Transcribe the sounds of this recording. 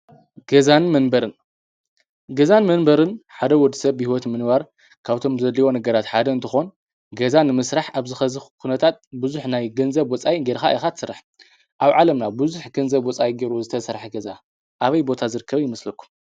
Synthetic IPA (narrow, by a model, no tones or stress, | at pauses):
ɡ̥ɐzanmɐnbɐɾɨn | ɡɐzanmɐnbɐɾɨnħad̪ɐwɔd̪ɨsɐβːɨhiwɔt̪mɨnbaɾ | kʰaβt̪ʰo̞mzɐd̪lːiwo̞nɐɡɐɾat̪ħad̪ɐɨnt̪ʰɨxo̞n | ɡɐzanɨmɨsɾaħaβzɨxɐzɨkʰunɐt̪ʰat̪̚bɨzuħnajɡɐnzɐβwɔt͡sʼajiɡeɾxaʔixat̪ʰɨsɨɾaħ | ʔaβʕalɐmnabɨzuħɡɐnzɐβwɔt͡sʼajɡeɾuzɨt̪ʰɐsɐɾħaɡɐza | ʔaβɐjbo̞t̪ʰazɨɾɨkʰːɐβjɪmɐslɐkʰːu̥m